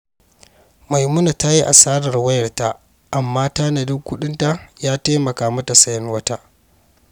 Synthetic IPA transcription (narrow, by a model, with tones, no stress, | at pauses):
ma˨jmʊ˦na˨ta˦ji˦ʔa̰˨saː˦ɽɐ˨rwɐ˦jɐ˨rta˦ʔ | ʔa˨mːaː˦ta˦nɐ˨dʊ˦ŋkʷʊ˦ɗɪ˦nta˦jaː˦taː˦mɐ˨kaː˨mɐ˦ta˨sɐ˨jɐ˦nwɐ˦ta˦ʔ